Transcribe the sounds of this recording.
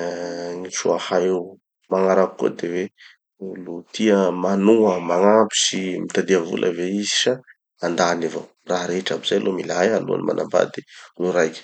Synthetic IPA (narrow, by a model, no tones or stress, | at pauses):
ŋiʈ͡ʂuahaew | maŋaɾaku̥kːṵd̪ewe | lut̪ʰiəmanuəmaŋapi̥simit̪ad̪iavṵlʔəveiziʃa | and̪anava | raɾeʈ͡ʂabiz̥ajlʔomilajalṵa̰nima̰namba̰d̪i̥nuɾajkʲi̥